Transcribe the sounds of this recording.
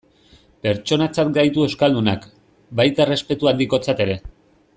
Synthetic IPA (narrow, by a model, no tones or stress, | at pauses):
pe̞ɾt͡ʃo̞nat͡sat̪ɡajt̪ue̞skald̪una̰k | bajt̪aere̞spe̞t̪uand̪iko̞t͡sat̪e̞ɾe̞